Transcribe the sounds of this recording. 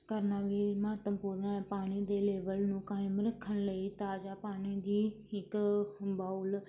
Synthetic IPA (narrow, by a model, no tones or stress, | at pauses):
kəɾnaːʋiːməɦət̪əmpuːɾnaɛːpaːɽ̃iːd̪eːleːbəlnũːkaːɪmɾəkʰːənləiːt̪aːd͡ʒaːpaːñiːd̪iː | ɪkbaʊl